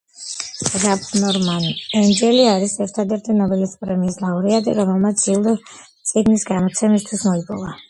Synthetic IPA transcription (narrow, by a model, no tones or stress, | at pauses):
ɾapʰnɔɾmanɛnd͡ʒɛliaɾisɛɾt̪ʰad̪ɛɾt̪ʰinɔbɛlispʼɾɛmiːslauɾiat̪ʼḭɾɔmɛlˠmat̪sʰilˠd̪ɔ | t̪sʼiɡnisɡamɔt̪sʰɛmist̪ʰwismɔipʼɔ̰va